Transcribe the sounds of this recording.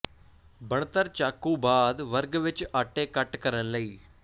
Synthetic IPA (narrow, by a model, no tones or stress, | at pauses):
bəɳt̪əɾt͡ʃaːkːũːbaːd̪ʋəɾɡʋɪt͡ʃaːʈeːkəʈkəɾənləiː